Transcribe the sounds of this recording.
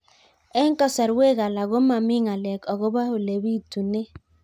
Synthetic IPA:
e˦ŋ̩˦kɔ˦sɛ˨ɾwe˦˨ɣa˨la˨ɣo˦ma˨mi˦ŋa˨lɛ˨kɔ˨ɣo˦ba˦ho˨le˨bi˦˨tu˨ne˦

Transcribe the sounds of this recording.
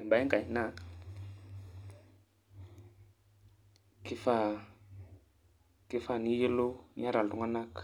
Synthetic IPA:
mba˨˦i˦ŋɡa˨jna˦˨ | ki˦fa˨ | ki˦fa˨ni˦ji˦lu˦ɲa˦ɾa˨lu˨ŋa˦na˦k

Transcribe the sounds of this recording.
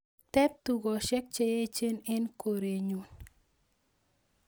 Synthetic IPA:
tɛ˦p̚tu˨ɡɔ˨ʃɛ˦k̚t͡ʃe˦je˦t͡ʃe˦nɛ˦nko˨ɾe˨ɲu˨n

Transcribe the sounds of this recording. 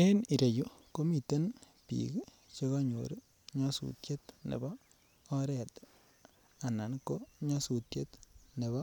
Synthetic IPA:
e˦ni˨ɾe˨ju˦ko˦mi˨t̪e˦n | pḭk | t͡ʃe˦ɡa˦ɲo̰˨ɾu | ɲɔ˦sṵ˨tje˦t̪nḛ˨bɔː˦ | ɾɛ˨t | a˨na˨nko˦ɲa˦su˨tje˦t̪nɛ˨bɔ˦

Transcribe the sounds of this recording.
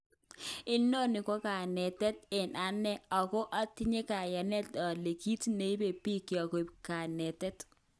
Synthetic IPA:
ɪ˦no˦nɪ˨kɔ˦ka˨nɛ˨tɛ˦tɪ˨na˨nɛ˦ɔ˨kɔ˦ʔa˦ti˦ɲe˦ka˨ja˨nɛ˦ta˨le˨ki˦tne˨i˦be˨pi˦ki˨ɔ˨ko˨ka˨nɛ˨tɛ˦t

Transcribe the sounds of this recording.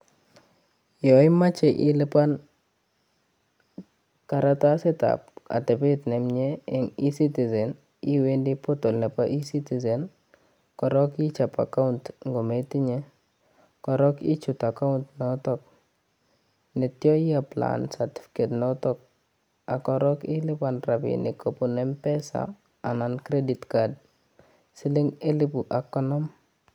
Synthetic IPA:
jɔ˨ɪ˦ma˦t͡ʃɛ˨ʔɪ˦lɪ˦pa˦n | ka˨ɾa˦ta˦se˦ta̰pa̰˨tɛ˨pe˦tnɛ˨mɲe˦ɛ˨ŋi˦si˦ti˨zɛ˨n | i˦we˦ndipoto˨lnɛ˨paʔi˦si˦ti˨zɛ˨n | kɔɾɔ˦ki˦t͡ʃa˨pa̰˨ka˦ʊntŋɡo˨me˦ti˦ɲe | kɔ˨ɾɔ˦kɪ˦t͡ʃu˨ta˨ka˦ʊntnɔ˨˦tɔ˦k̚ | nɛ˨tjɔ˦ɪ˦a˨pla̰˨nsa˨ti̥˦fi̥ke˨tno˦tɔ˦k̚ | a˨kɔ˨ɾɔ˦kɪ˦lɪ˦pa˨nɾa˨pɪ̰ni˨kʰo˨pu˨nɛ˦mpɛ˦sa̰˨ | a˨na˨nkɾe˦di˨tka˨d | sɪ˦lɪ˦ŋe˦lɪ˦pu˨ʔa˨kːɔ˦nɔ˦m

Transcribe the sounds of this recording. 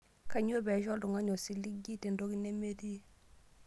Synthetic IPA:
ka˨ɲo˦bɛ˨ʃɔ˦ldʊ˨ŋa˦ɲo˨si˦li˦ɡi˦te˨ndo˦ki˦ne˦me˦ti˦

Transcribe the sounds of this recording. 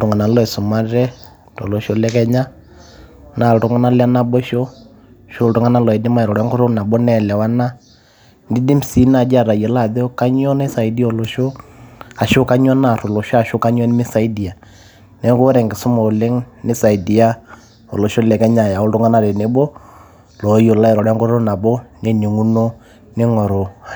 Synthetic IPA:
ɾʊ˨ŋa˨na˨lɔ˦e˨sʊ˨ma˦ɾɛ˦ | to˨lo˨ʃo˦lɛ˦kɛ˦ɲa˦ | na˨ltʊ˦ŋa˦na˦la˦na˦bɔ˦ʃo˦ | ʃo˦˨ltu˦ŋa˦na˦lɔ˨ɛ˨di˦ma˦i˨ɾɔ˨ɾɛ˦ŋɡo˦ɾo˦na˨bɔ˦nɛ˦˨lɛ˨wa˦na˦ | ndi˦di˦m˦si˦na˨d͡ʒa˦˨ɾa˨jɛ˨la˦˨ðe˦o˦ka˦ɲ˦ɔ˦na˦sa˨i˦di˦o˨lo˨ʃo˦a˨ʃo˦ka˦ɲ˦ɔ˦na˦˨ɾo˨lɔ˨ʃɔ˦a˨ʃo˦ka˦ɲ˦ɔ˦n˦mɪ˦sa˨i˦di˨a˨ | nɛ˨˦ɡo˦ɾɛ˨ŋɡe˨so˦mɔ˨o˨le˦ŋnɪ˦sa˨i˨di˨a˦ | o̰˨lɔ˨ʃo˦lɛ˨kɛ˦ɲa˨ja˨o˦ldo˦ŋa˦na˦˨ɾɛ˨ne˨bɔ˦ | lɔ˨˦jo˨la˦ɛ˨ɾɔ˨ɾɛ˦ŋɡo˦ɾo˦na˨bɔ˦nɛ˨ni˨ŋu˦no˦ | nɪ˦ŋɔ˨ɾo˨a˨

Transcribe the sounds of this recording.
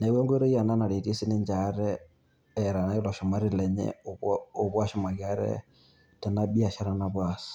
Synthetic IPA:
ne˨˦wɛ˦ŋɡwe˦ɾo˦ja˨na˦na˨ɾe˨ti˦si˦ni˦ɲd͡ʒa˨ɾɛː˨ | ɾa˨na˨˦i˦lɔ˨ʃo˨ma˦ɾi˦lɛ˨ɲɛ̰oβo˨βwa˦ʃo˦ma˨ɣja˦ɾɛ̰˦ | tɛ˨na˦bi˦a˨ʃa˦ɾa˦naβwa˨sḁ

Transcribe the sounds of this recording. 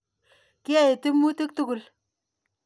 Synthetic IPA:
ki˦a˦e˨tɪ˦mu˦te˦k̚tu˦ku˨l

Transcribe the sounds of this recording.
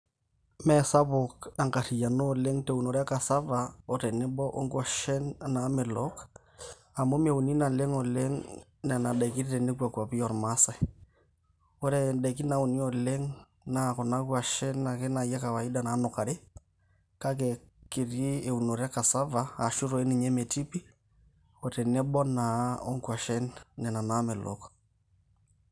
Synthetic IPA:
mɛ˨sa˦βo˨ka˨ŋka˨ɾi˨ja˨no˦˨lɛ˦ŋte˨u˨no˨ɾa˦ka˨sa˦va˨ɔ˨ɾɛ˨ne˦bɔ˦ʔo˦ŋɡwa˨ʃɛ˦nna˨˦me˨lɔ˦k | a˨mo˦me˨u˨ni˦na˨lɛ˦ŋɔ˨lɛ˦ŋnɛ˨na˨ɗɛ˨ki˦ɾɾɛ˨ne˦kwa˨kwa˨βi˦ɔ˨ɾma˦sɛ˨ | ɔ˦ɾɛ˨dɛ˨k̬i˦na˨˦o˨ni˦ɔ˨lɛ˦ŋ | na˨kɔ˨na˦kwa˨ʃɛ˦na˨kɛ˦na˨jɛ˦ka˨wa˨i˦da˨naː˨˦nɔ˨ka˨ɾe˦ | ka˦k̬ɛ˨ki˨ɾi˦e˨u˨no˨ɾɛ˦ka˨sa˦vaː˨ʃu˦ɾɔ˨e˦ni˨ɲɛ˦mɛ˨ti˦pi˦ | ɔ˨tɛ˨nɛ˦ɓɔ˦na˨ɔ˦ŋkwa˨ʃɛ˦nːɛ˨na˨na˨˦mɛ˨lʔɔ̰k

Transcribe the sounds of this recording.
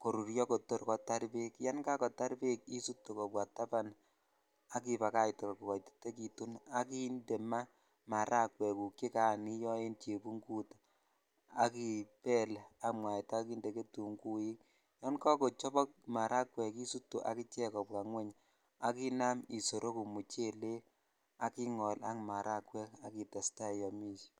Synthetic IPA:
ko˨ɾu˨ɾjɔ˦ko˨to˦ɾkɔ˦ta˦ɾpe˦kja˦nka˦kɔ˨ta˦ɾpe˦k̚i˦su˦tːo˨kɔ˨pwa˨ta˦pa˦n | a˦ki˨pa˨ka˦jtɔ˨kku˨wa˨jte̥˦tːe˦ki˨tu˦na˦ki˦nde˨ma˦ | ma˨ɾʔa˦kwɛ˨ku˨ki˦ka˨ni˦jɔ˦e˦nte˨pu˦ŋɡu˦ta | a˦ki˨pɛ˦le˨a˦mwa˨ɛ˨ta˦ki˦nde˨ke˦tu˨ŋku˦ji˦ | jɔ˦nkɔ˦ko˨t͡ʃɔ˦bɔ˦k̚ma˨ɾʔa˦kwɛ˨ki˦su˦tːo˨ʔa̰˨ki˦t͡ʃɛ˦kɔ˨p̚ka˨ŋwɛ˦ɲ | a˨˦ki˦na˦mi˨so˨ɾʔo˦ku˨mu˨t͡ʃe˦le˦ | a˨ki˦ŋɔ˨la̰˦kma˨ɾa˦kwɛ˦ka˦ki˨ta˨sta˦˨jɔ˨mi˦ʃ

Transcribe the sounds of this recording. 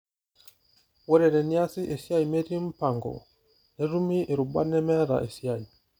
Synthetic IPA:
wɔ˦ɾɛ˨ɾɛ˨ni˦a˦si˦ʔe˨si˦a˦i˨me˦ɾi˦m̩˦pa˨ŋɡɔ̰˨ | nɛ˨˦ɾu˦mi˦ʔe˨ɾu˨ba̰˦nɛ˦mɛ˦ɾa̰˨ʔe˨si˨˦a˦˨i˨

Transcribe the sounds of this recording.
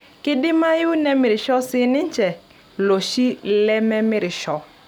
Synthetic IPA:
kɪ˦dɪ˦ma˦jʊ˦nɛ˦mɪ˨ɾɪ˨ʃɔ˦sɪ˦nɪ˦ɲt͡ʃɛ˨ | lo˨ʃi˦lɛ˦mɛ˦mɪ˦ɾɪ˨ʃɔ˦

